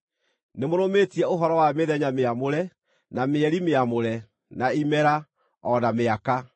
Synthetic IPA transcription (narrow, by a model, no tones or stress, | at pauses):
nemoɾometiɛoɦɔɾɔwameðɛɲameamoɾɛ | nameɛɾimeamoɾɛ | naimɛɾa | ɔnameaka